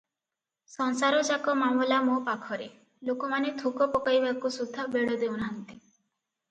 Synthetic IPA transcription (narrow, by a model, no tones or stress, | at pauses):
sɔnsaɾɔd͡ʒakɔmamɔlamopakʰɔɾe | lokɔmanet̪ʰukɔpɔkajbakusud̪ʱːabeɽɔd̪ewnaɦɔnt̪i